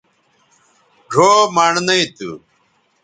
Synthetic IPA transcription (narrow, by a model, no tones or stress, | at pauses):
ɖʱoːmɐɳnɐit̪ṵ